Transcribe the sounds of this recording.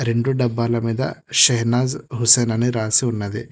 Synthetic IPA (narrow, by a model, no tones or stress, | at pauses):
ɾe̞ɳɖuɖɐbːalɐmiːd̪ɐ̰ʃɐɦnaːzɦuseːnɐniɾaːsiunːɐd̪i